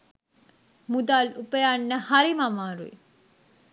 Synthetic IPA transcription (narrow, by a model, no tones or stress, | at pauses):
mud̪alupəjaɳːəhaɾimamaːɾuḭ